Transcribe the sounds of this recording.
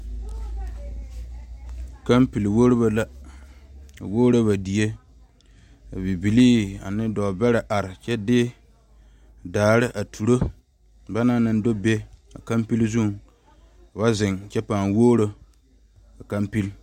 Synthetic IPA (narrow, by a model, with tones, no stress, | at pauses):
ka˦mpi˨lwo˦ɾɪ˦ba˨la˦˨ | wo˦ɾo˦ba˨di˨e˦ | a˨bi˨bi˨liː˦a̰˨nɪ˦dɔ˨bɛ˦ɾɪ˨ʔa˨ɾɪ˨t͡ʃɛ˦dɪ˦ | daː˨ɾɪ˦ʔa˨tʰu˨ɾo˦ | ba˦na˦˨nɨ˦n˦do˦be˦a̰˨ka˦mpi˦lzu˦˨ŋ˨ | ba˦zɪ˨ŋt͡ʃɛ˦pa˨ŋwoː˦ɾo˦ | a˨ka˦mpi˦l